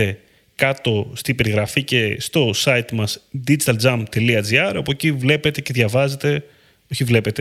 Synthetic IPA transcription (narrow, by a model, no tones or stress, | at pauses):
e̞ | kɐt̪o̞st̪ibe̞ɾiɣɾɐfice̞st̪o̞sɐit̪mɐsd̪id͡ʒit̪ɐld͡zɐmt̪e̞liɐd͡ziɐɾɐpocivle̞pe̞t̪e̞ce̞ðjʝɐvɐze̞t̪e̞ | oçivle̞pe̞t̪e